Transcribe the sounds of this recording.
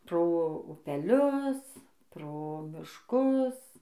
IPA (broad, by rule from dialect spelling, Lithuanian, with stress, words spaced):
ˈproː ʊpʲɛˈlʲʊs ˈproː mʲɪʃˈkʊs